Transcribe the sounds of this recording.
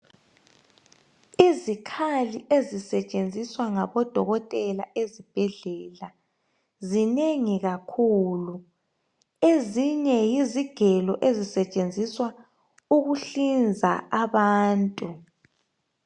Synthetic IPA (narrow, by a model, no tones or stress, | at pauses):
izikʰaliʔezisɛt͡ʃʼend͡zʱiswaŋaβɔd̥ʱɔɣɔtʼɛlaʔezib̥ʱɛɮɛla | zineŋiɣakʰulu | eziɲɛjiziɡ̥ʱɛlɔʔezisɛt͡ʃʼend͡zʱiswa | uɣuɬind͡zʱa̰aβaːntʼu